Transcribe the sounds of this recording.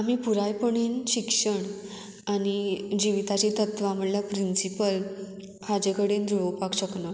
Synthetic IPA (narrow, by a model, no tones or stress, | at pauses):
am̤iːpuɾajpəɳ̃inɕikʂəɳ | añid͡ʑiʋit̪at͡ɕit̪ət̪ʋam̤əɽljapɾinsipəl | had͡ʑekəɽend̪uɭəpakɕəknə